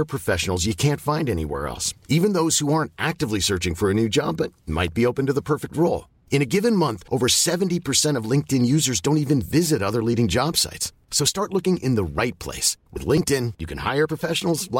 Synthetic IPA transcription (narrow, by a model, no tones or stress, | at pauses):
ə˞pʰɹ̥ɨfɛʃn̩l̩ˠzjɨkʰæ̃ntfãɪ̃ndɛñḭwɛ̰ɹɛ̰lˠsivɨ̃nðoʊz̥huɑɹntʔæk̚tɨvlisɜ˞t͡ʃɪ̃ŋfə˞ɨnʉd͡ʒɑ̰bʌt̚ma̰ɪt̚b̥ioʊpɨ̃n̩tɨðəpʰɜ˞fɨk̚t̚ɹoʊlˠ | ɨ̃ñɨɡɪvɨ̃nmʌ̃nθʔoʊvə˞sɛvntipʰə˞sɛ̃ɾ̃ʌvlɪ̃ŋk̚tɨ̃njʉzə˞zdõʊ̃ntivɨ̃nvɪzɨɾʌðə˞liɾɪ̃ŋd͡ʒɑb̥sa̰ɪts | soʊstɑɹtˡlʊkɪ̃ŋʔɨ̃nðəɹaɪt̚pʰl̥ḛɪswɨ̰ðlɪ̃ŋk̚tɪ̃njɨkʰɨ̃n̩ha̰ɪə˞pʰɹ̥əfɛʃn̩l̩ˠzl